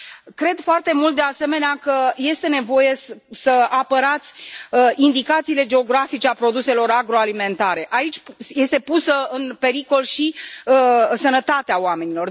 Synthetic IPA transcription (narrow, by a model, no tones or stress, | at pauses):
kɾe̞d̪foart̪e̞mult̪̚d̪ease̞me̞neakəje̞st̪e̞ne̞vo̞je̞ssəapəɾat̪sʲind̪ikat̪siːle̞d͡ʒe̞o̞ɡɾafit͡ʃe̞apɾo̞d̪use̞lo̞ɾaɡɾo̞alime̞nt̪aɾe̞ʔait͡ʃʲje̞st̪e̞pusəɨnpe̞ɾiko̞lʃi | sənət̪at̪eaowame̞nilo̞r